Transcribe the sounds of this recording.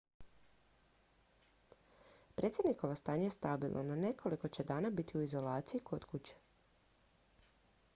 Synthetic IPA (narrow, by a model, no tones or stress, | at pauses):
pɾʔe̞t̪sʲjed̪nikoʋost̪aːɲajest̪abilˠna̰nane̞kʰo̞liko̞t͡ɕe̞d̪aːnabit̪iuizo̞laːt̪sijikʰod̪kut͡ɕe̥